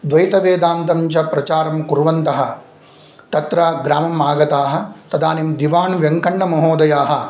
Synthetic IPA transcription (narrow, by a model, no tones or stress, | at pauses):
d̪ʋɐjt̪ɐʋeːd̪aːnt̪ɐmt͡ʃɐpɾɐt͡ʃaːɾɐmkuɾʋɐnt̪ɐɦɐ̆ | t̪ɐt̪ɾɐɡɾaːmɐmaːɡɐt̪aːɦɐ̆t̪ɐd̪aːnimd̪iʋaːnʋjɐŋkɐɳɖɐmɐɦoːd̪ɐjaːɦɐ